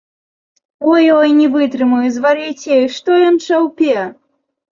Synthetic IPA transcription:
ɔjɔjnʲɛvɨt̪ɾɨmujuzvaɾɨt͡sʲɛjʂt̪ɔjɔnt͡ʂawpʲɛ

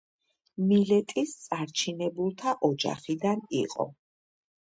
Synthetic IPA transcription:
milɛt̪ʼist̪sʼaɾt͡ʃʰinɛbulˠt̪ʰaʔɔd͡ʒa̰χid̪aniqʼɔ̰

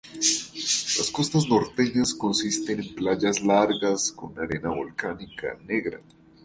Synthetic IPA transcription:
lasko̞st̪azno̞ɾt̪eɲasko̞nsist̪e̞ne̞mplaʝaslaɾɡasko̰nunaɾe̞naβo̞lkanika̰ne̞ɣɾa̰

